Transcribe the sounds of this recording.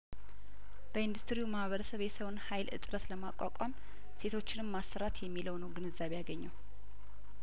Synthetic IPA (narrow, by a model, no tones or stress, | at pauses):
b̥əɨnd̪ust̪ɾiumahβəɾəsəβjɛsəwnhajlɨ̰t̪ʼɾət̪ləma̰kʼa̰kʼam | se̞t̪ʰo̞t͡ʃːɪnɨmːasːəɾat̪jɛmːiləwnəwɡɨnɨzːaβejaɡəɲːaw